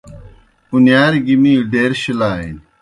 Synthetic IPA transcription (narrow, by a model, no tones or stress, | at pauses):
unjaːɾɡimiːɖeːɾɕilaːḭn